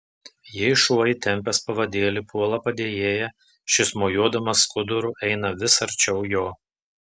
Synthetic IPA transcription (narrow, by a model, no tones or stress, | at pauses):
jɛɪʃuɔjɪt̪ʲɛmʲˑpʲɛspɐʋɐd̪ʲeːlʲipʰuɔlˠɐpɐd̪ʲeːjeːjɛ | ʃʲɪsmoːjuɔd̪ɐmɐskʊd̪ʊɾʊʔɛɪnɐʋʲɪsɐɾʲt͡ʃʲɛʊjoː